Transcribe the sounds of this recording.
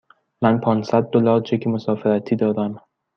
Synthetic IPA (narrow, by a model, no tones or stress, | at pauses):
mænpʰɒːnsæd̪̚ːolɒːɾt͡ʃʰecʰimosɒːfeɾæt̪ʰiːd̪ɒːd̪æm